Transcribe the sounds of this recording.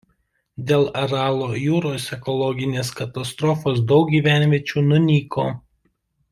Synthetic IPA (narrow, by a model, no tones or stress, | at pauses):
d̪ʲeːlˠɐɾɑːlˠoːjuːɾoːsɛkɔlˠɔɡʲɪnʲeːskɐt̪ɐst̪ɾɔfoːsd̪ɒʊk̚ɡʲiːʋʲæˑnʲʋʲiɛt͡ʃʲuːnʊnʲiːkoː